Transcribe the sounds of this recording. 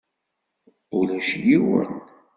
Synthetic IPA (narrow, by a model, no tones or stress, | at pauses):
ʊlæʃjiwə̰nt̪